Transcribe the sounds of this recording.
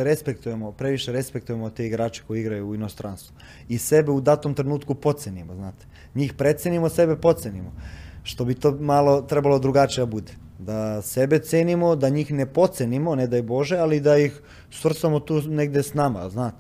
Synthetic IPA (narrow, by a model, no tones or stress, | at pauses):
ɾespekt̪ujemopɾe̞ʋiʃeɾespek̚t̪uje̞mot̪eiɡɾaːt͡ʃe̥ko̞jeiɡɾajuːino̞st̪ɾaːnst̪vu | isebeud̪at̪omt̪ɾenuːt̪kupo̞t̪senimoznaːt̪e̥ | ɲiːxpɾe̞t̪senimose̞be̞po̞t̪senimoʃt̪o̞bit̪oːmalo̞t̪ɾebalo̞d̪ɾuɡat͡ʃijed̪abud̪e | d̪asebet̪seːnimo̞d̪aɲiːxnepo̞t̪senimo̞ned̪ajbo̞ʒealid̪ajix | sʋr̩samot̪uːneɡd̪esnama̰znaːt̪e